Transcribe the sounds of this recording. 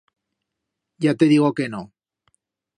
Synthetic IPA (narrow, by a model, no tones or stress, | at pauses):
jat̪eðiɣ̞okeno